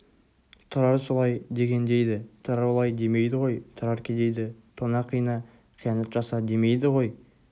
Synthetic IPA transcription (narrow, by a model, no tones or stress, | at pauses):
t̪ʰʊɾɑɾsolˠɑjd̪e̞ɡʲe̞nd̪e̞jd̪ɪt̪ʰʊɾɑɾlˠɑjd̪e̞me̞jd̪ɪʁo̞jt̪ʰʊɾɑɾkʲʰed̪e̞jd̪ɪt̪ʰonɑqʰːəjənɑ | qʰijɑnɑt̪ʒɑsɑd̪e̞me̞jd̪ɪʁo̞j